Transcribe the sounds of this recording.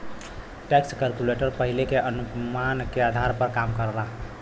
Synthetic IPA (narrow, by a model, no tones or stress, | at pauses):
ʈekskəlkuleʈəɾpəɦilekeʔənupmankead̪ʱaɾpəɾkamkəɾla